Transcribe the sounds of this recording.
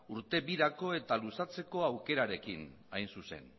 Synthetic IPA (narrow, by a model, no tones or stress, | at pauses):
uɾt̪e̞βiɾako̞e̞t̪alusat͡se̞ko̞awke̞ɾaɾe̞kinajnsuse̞̰n